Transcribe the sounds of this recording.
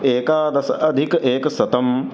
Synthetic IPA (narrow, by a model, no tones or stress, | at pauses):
eːkaːd̪ɐsɐd̪ʱikeːksɐt̪ɐm